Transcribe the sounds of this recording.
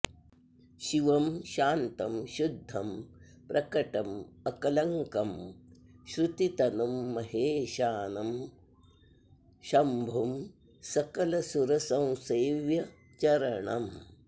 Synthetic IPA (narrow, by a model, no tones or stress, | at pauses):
ʃiʋɐmʃaːnt̪ɐmʃud̪ʱːɐm | pɾʔɐkɐʈɐmɐkɐlɐŋkɐm | ʃɾut̪it̪ɐnɐmːɐɦeːʃaːnɐm | ʃɐmbʱum | sɐkɐlɐsuɾɐsɐ̃w̃seːʋjɐ | t͡ʃɐɾɐɳɐ̰m